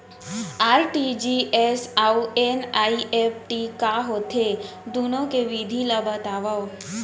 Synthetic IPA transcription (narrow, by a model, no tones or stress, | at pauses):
aːɾʈid͡ʒiesauenaːiʔepʈikaɦot̪ʰe | d̪unõkeʋid̪ʱilabət̪aʋaʋ